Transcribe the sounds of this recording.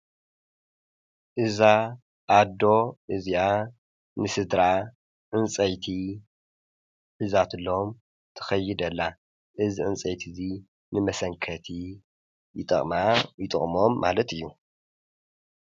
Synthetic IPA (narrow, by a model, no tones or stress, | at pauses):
ʔɨza | ʔːd̪o̞ʔɨzia | nɨsɨd̪ɾa | ʕɨnt͡sʼɐjt̪ʰi | ħɨzat̪ɨlːom | t̪ʰɐ̥xɐjːɪd̪ɐlːa | ʔɨziʕɨnt͡sʼɐjt̪ʰizi | nɨmɐsɐŋkʰɐt̪ʰi | jɪt̪ʼɐχʼmajɪt̪ʼɨχʼmo̞mːa̰lɐt̪ɨjːu